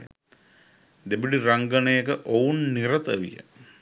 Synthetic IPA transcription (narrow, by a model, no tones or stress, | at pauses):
d̪ebiɖiraŋɡɐnəjəkəʔounːiɾət̪əʋḭjə̰